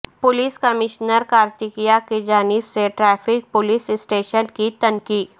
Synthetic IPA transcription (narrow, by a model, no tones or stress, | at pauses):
pʊliːskɐmɪʃnəɾkaːɾt̪ɪkijaked͡ʒaːnɪbseʈɾɛːfɪk̚pʊlɪsɪsʈeːʃənkit̪ɐnkiːd̪